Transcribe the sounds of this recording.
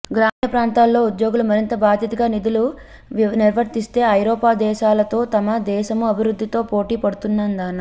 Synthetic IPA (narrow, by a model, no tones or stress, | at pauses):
ɡɾaːmɐpɾaːnt̪aːlːo̞ːud̪jo̞ːɡulumɐɾint̪ɐbaːd̪ʱjɐt̪ɐɡaːnid̪ulu | ʋiniɾʋɐɾt̪ist̪e̞ːɐjɾɔːpaːd̪ɛːʃaːlɐt̪o̞ːt̪ɐmɐd̪ɛːʃɐmuɐbʱiɾud̪ʱːit̪o̞ːpo̞ːʈiːpɐɽut̪unːɐnd̪aːnɐ